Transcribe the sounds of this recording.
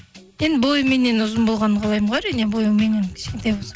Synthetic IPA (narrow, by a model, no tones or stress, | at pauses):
je̞nbo̞jəme̞nːenʊzənbo̞lˠʁɑnəɴqʰɑlˠɑjmɴʁɑɾijnebo̞jəmenenkʲʰɪ̥ʃkʲe̞nt̪ɑjbolsɑ